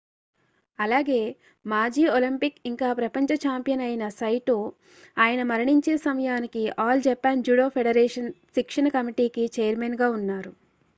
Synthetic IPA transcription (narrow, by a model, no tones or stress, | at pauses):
ɐlaːɡe̞ː | maːd͡ʒiːolimpikiŋkaːpɾɐpɐɲt͡ʃɐt͡ʃaːmpijɐnɐjnɐsɐjʈoː | aːjɐnɐmɐɾɐɳiɲt͡ʃeːsɐmɐjaːnikiaːld͡ʒɛpːaːnd͡ʒuːɽoːpʰeɽɐɾeːʂɐnsikʂɐnɐkɐmiʈiːkit͡ʃejɐɾmeːnɡaːunːaːɾu